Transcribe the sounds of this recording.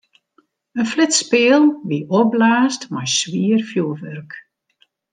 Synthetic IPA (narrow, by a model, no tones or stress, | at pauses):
ənflɪtspɪːəlˠʋiʔɔblaːstmajsʋiərfjuəʋørk